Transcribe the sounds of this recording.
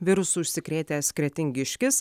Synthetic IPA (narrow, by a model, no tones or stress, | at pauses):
ʋʲɪɾʊsʊʃʲsʲɪkɾʲeːt̪ʲeːɐtsʲkɾʲɛt̪ʲɪŋʲɡʲɪʃʲkʲɪs